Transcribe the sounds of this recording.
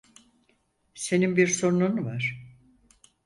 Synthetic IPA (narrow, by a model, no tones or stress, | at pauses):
se̞ninbiɾso̞nnunvaɾ̥